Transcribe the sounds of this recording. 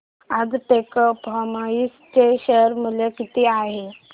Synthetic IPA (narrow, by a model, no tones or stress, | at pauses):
ad͡zʈekəpɦamaist͡ɕeɕəɾməljakit̪iaɦe